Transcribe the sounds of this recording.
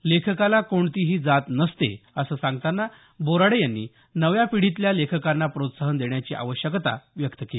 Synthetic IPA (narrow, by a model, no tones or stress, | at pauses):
lekʰkalakoɳt̪iːɦiːd͡zat̪nəst̪ḛəsəːsãŋɡt̪anːa | boɾaɽejanːḭ | nəʋjapiɽit̪ljalekʰəkanːapɾot̪saɦənd̪eɳjat͡ɕiːʔa̰ʋəɕjəkt̪a̰ʋjəkt̪əkeli